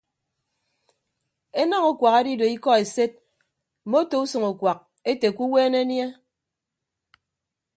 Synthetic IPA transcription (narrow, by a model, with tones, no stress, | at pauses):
e˦nɔ˦ŋo˨kʷwa˨ka˦di˦do˨i˦kɔ˦e˨se˦t̚ | m̩˨mo˦to˨u˦so˨ŋo˨kwa˨k̚ | e˦te˨kʷu˦weː˦ne˦nje˦